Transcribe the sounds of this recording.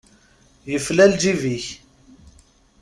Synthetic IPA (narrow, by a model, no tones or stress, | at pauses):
jəflæld͡ʒiviç